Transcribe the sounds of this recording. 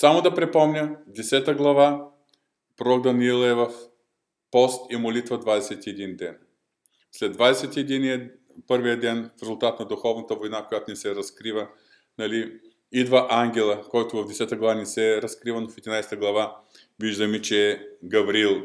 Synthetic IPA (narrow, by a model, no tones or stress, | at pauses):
samod̪ɐpɾɛpɔmnʲəd̪ɛsɛt̪əɡlˠɐva | pɾɔɡd̪ɐnilˠɛvɐf | pɔst̪imolit̪vəd̪vad̪ɛsɛt̪iɛd̪ind̪ɛn | slɛd̪vad̪ɛsɛt̪iɛd̪iniə | pɤɾvijəd̪ɛnfɾɛzʊlˠt̪at̪nɐd̪ʊxɔvnɐt̪əvojnakojat̪ʊnɛsɛɾɐskɾivə | nɐli | id̪vəʔaŋɡʲɛlˠəkɔjt̪ʊvɐvd̪ɛsɛt̪əɡlˠɐvanɛsɛɾɐskɾivənofɛd̪inajsɛ̥t̪əɡlˠɐva | viʒd̪əmit͡ʃɛːɡɐvɾilˠ